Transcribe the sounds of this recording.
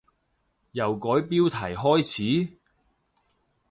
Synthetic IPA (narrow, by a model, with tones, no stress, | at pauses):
jɐ˨wkɔː˨˥jpiː˥wt̪ʰɐ˨˩jɦɔː˥jt͡sʰiː˨˥